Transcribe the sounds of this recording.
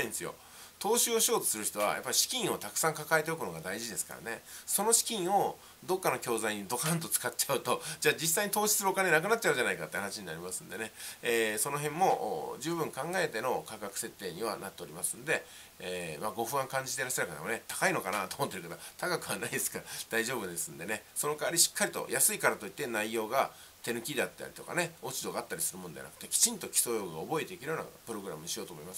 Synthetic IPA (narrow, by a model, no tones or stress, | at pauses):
ĩnesɨjo̰ | t̪o̞ːɕɨːoɕio̞ːt̪o̥sɨɾɯ̟çi̥t̪o̞βa̰jʔa̰pːaiɕi̥kʲĩɰ̃o̞t̪akɯ̥sãŋkakae̞t̪e̞okɯ̟no̞ɡad̪aiʑid̪e̞sɨ̥ka̰ɾa̰ne̞so̞no̞ɕi̥kʲĩɰ̃o̞ | d̪o̞kːanokʲo̞ːzaiɲ̟id̪o̞kaãnt̪̬o̞t͡sɨ̥katt͡ɕaɯ̟t̪o̞d͡ʑaːd͡ʑis̬ːaiɲit̪o̞ːɕi̥sɨɾɯokanenak̬ɯ̟nat̚ːt͡ɕːaɯ̟ɲd͡ʑanaika̰t̪ːehanaɕiɲ̟ina̰ɾʲimasɨ̃nd̪e̞ne̞eːso̞no̞ɦẽ̞mːo̞ʔd͡ʑɨːbɯ̟̃ŋkãŋɡae̞t̪e̞no̞kakakɯ̟̥se̞t̪ːe̞ːɲ̟iβa̰nat̪ːe̞oɾʲimasɨ̃nod̪e̞ | eːmaɡo̞ɸɯ̟ãŋkãɲ̟d͡ʑit̪e̞ɾaɕːaɾɯkat̪emone̞t̪ḁkaino̞kanat̪oːmo̞t̪ːeɾɯkat̪ot̪akakɯ̟βanaid̪esɨ̥kaad̪̥aiʑo̞ːbɯ̟d̪e̞sɨ̃nd̪e̞ne̞so̞no̞kaaɾʲiɕi̥kːaɾit̪o̞̰jʔasɨikaɾat̪o̞it̪ːe̞naijo̞ːɡa | t̪e̞nɯ̟kʲid̪e̞at̪ːa̰ɾʲi̥t̪o̞̰ka̰ne̞o̞t͡ɕid̪o̞ɡaːt̪ːaɾʲisɨɾɯmo̞nd̪e̞a̰nakɯ̟̥t̪ekʲi̥t͡ɕĩnt̪o̞kʲi̥so̞ːjo̞ɯɡaobo̞et̪e̞kʲiɾɯ̟jona̰pɯɾo̞ɡɯɾa̰mɯ̟ɲiɕijo̞ːt̪omo̞imas